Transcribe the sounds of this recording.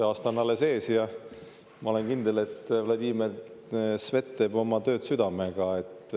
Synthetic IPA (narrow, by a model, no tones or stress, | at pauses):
eɑːst̪ɑnːɑlːese̞ːsjɑ | mɑo̞lenkind̪̥ele̞t̪ːvlɑd̪ʲiːme | sve̞t̪ːˑe̞bo̞mɑt̪ø̞ːt̪syd̪̥ɑme̞ɡ̥ɑe̞t̪ː